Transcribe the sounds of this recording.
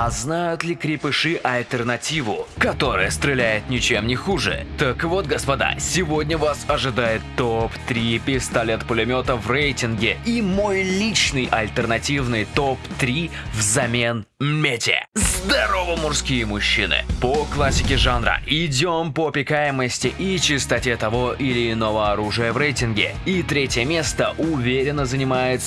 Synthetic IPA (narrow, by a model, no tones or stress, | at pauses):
ɐznajʊt̪lʲɪkɾʲɪpɨʂɨʔɐlʲt̪ʲərnɐtʲivʊkɐt̪o̞ɾə̰jəst̪ɾʲɪlʲæjɪt̪nʲɪt͡ɕe̞mnʲɪxuʐɨ̰t̪əkvo̞t̪̚ɡəspɐd̪a̰sʲɪvo̞dʲnʲəvasɐʐɨd̪ajɪt̪ːopt̪ɾʲipʲɪst̪ɐlʲe̞t̪pʊlʲɪmʲo̞t̪əvrejtʲɪnɡʲɪimo̞jlʲit͡ɕnɨjʔɐlʲt̪ərnɐtʲivnɨjt̪opt̪ɾʲi | vzɐmʲe̞n | mʲetʲɪ̰zd̪ɐɾovəmʊrskʲijəmʊɕːḭnɨ̰pəklˠasʲːɪkʲɪʐanɾə̰ɪdʲompəɐpʲɪkajɪməsʲtʲɪʔit͡ɕɪst̪ɐtʲet̪ɐvo̞ʔɪlʲɪːno̞vəɐɾuʐɨjəvrejtʲɪnɡʲɪ̰ | it̪ɾʲetʲjəmʲe̞st̪əʔʊvʲeɾʲɪnːəzənʲɪmajɪt̪s